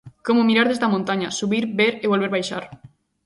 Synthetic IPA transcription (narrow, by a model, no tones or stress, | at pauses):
komʊmiɾaɾðezd̪ɐmõnt̪aɲɐsuβiɾbeɾeβolβeɾβajʃa̰ɾ